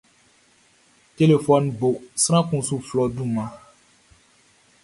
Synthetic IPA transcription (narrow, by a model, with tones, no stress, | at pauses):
te˦le˨fɔ˦nbo˨sɾã˦kũ˨sũ˦flɔ˦dũ˦˨mã˦